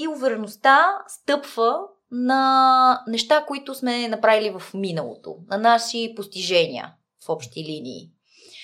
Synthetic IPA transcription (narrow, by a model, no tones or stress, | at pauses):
iuvɛɾɛnost̪ast̪ɤpv̥ə | nɐnɛʃt̪akoit̪ʊsmɛnɐpɾavilivɐfminəlˠo̰t̪o̰nɐnaʃipost̪iʒɛnʲḭə̰ | fɔpʃt̪ilinḭː